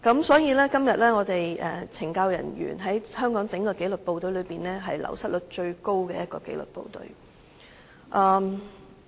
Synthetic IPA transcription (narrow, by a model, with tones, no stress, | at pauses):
kɐ˨˥msɔː˨˥jiː˨˧lɛː˥kɐ˥mjɐ˨t̚lɛː˥ŋɔː˨˧t̪e˨jʔɛ̰ː˨˩t͡sʰɪ˨˩ŋkaː˧wjɐ̰˨˩njy̰ː˨˩nɦɐ˨˥jhœː˥ŋkɔː˨˥ŋt͡sɪ˨˥ŋkɔː˧ke˨˥jlɵ˨˩t̚po˨˧wt̪ɵ˨˧ɥlɵ˨˧ɥpiː˨nlɛː˥ɦɐ˨jlɐ̰˨˩wsɐ˥t̚lɵ˨˥t̚t͡ʃɵ˧ɥko˥wkɛː˧jɐ˥t̚kɔː˧kḛ˨˥jlɵ̰˨˩t̚po̰˧wt̪ɵ̰˨˧ɥ | ʔɐː˨˧m